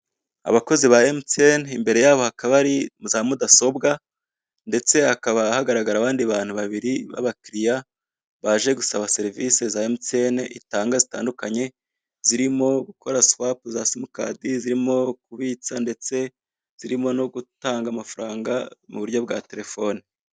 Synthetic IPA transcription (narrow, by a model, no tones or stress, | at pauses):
a̰βako̞ziβaemtenimbe̞ɾe̞jaːβo̞hakaβaɾimzaːmudaso̞bɡa | nde̞t͡se̞hakaβahaɡaɾaɡaɾaβaːndiβaːn̥huβaβiɾiβa̰βakɾija | βaʒe̞ɡusaβase̞ɾivise̞zaemtenḭtaːŋɡazitaːndukaɲe̞ | z̥iɾimo̞ɡukʰo̞ɾaswapzaːsimuka̰ːdiziɾimo̞kuβiːt͡sande̞t͡se̞ | z̥iɾimo̞no̞ɡutaːŋɡamafaɾaːŋɡa̰muβuɾjo̞bɡate̞ɾe̞fo̞ni